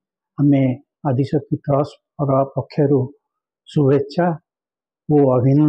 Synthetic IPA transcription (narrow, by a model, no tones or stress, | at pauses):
ame | ad̪ʱisɔkit̪ɾɔspɔɾapɔkʰːjɔɾu | subetːʃʰa | oɔbʱin